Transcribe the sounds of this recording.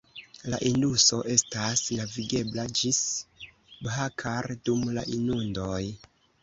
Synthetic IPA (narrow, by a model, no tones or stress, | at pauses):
la̰ʔinduso̞ʔe̞stasnaviɡe̞blad͡ʒis | bɦakʰaɾdumla̰ʔinundo̞j